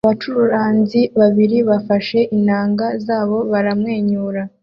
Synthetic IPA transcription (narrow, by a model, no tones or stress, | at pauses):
aβat͡ʃuɾuɾaːnziβaβiɾiβafaʃe̞ʔinaːŋɡazaːβo̞βaɾamŋe̞ːɲuːɾa